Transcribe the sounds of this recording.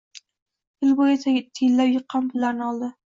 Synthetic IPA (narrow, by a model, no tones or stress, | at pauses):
ɪlbojasajet̪ʰːɪjɪlːapjɨqʰːɑmbʊlːaɾnɪɒlˠd̪ɪ